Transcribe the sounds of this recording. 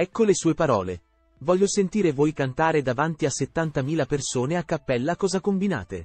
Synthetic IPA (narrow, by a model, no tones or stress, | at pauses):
ɛkːolesuːepaɾɔ̰ːle | vɔʎːosent̪iːɾevoːjkant̪aːɾed̪avant̪iaset̪ːant̪amiːlapersoːneakːapːɛlːakɔːzakombina̰ːt̪ḛ